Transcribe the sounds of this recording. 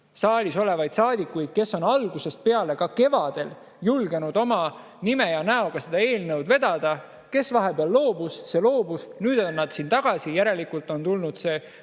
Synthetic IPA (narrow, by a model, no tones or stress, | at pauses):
sɑːlʲiso̞le̞vɑjd̪̥sɑːd̪ikːˑujd̪̥̚ke̞sːo̞nɑlɡ̥use̞st̪̚pe̞ɑle̞kɑke̞vɑd̪̥e̞l | julɡe̞nud̪̥o̞mɑ | nimejɑnæo̞ɡ̥ɑse̞d̪̥ɑe̞ːlnəwd̪ve̞d̪̥ɑd̪̥ɑ | ke̞svɑɦe̞b̥eɑlːo̞ːb̥usːe̞lo̞ːb̥usnyːd̪̥onːɑd̪̥siːnt̪ɑɡ̥ɑsijæɾe̞likult̪ˑo̞nt̪ulnud̪̥se̞ː